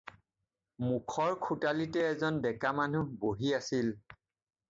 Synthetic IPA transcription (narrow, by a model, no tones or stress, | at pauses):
mukʰɔɹkʰutalitɛːzɔndɛkamanuboɦiasil